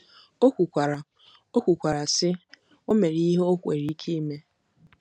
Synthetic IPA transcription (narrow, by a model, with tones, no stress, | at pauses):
o˦kʷu˨kʷa˨ɾa˨ | o˦kʷu˨kʷa˨ɾa˨sɪ˦ | o˦me˨ɾi˦ɦo˦kʷe˨ɾi˨˦i˦kʰe˦i˦me˦